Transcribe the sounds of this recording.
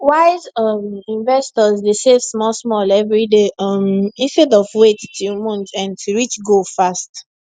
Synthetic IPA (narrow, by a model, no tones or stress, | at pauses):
waɪzʌmĩnvɛstɔzdesevsmɔsmɔlɛvɹideɔmĩnstedɔvwettumɔ̃ntãntuɹit͡ʃɡofast